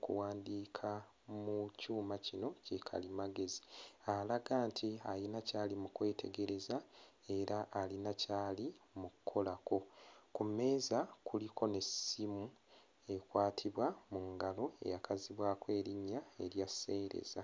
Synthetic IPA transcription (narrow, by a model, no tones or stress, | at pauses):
kṵwaːndiːkʰa | mucuːmacino̞cekʰa̰limaɡe̞zi̥alaɡaːntʰialinacaːlimukwe̞ːtʰe̞ɡe̞ɾe̞zae̞ɾaʔːlinacaːlimukukʰːo̞lako̞kume̞ːzakulikʰo̞ne̞simu | e̞kwaːtʰiβwamuŋɡalo̞e̞̰jakaziβwaːkwe̞ːɾiɲːae̞ɾjase̞ːɾe̞̰za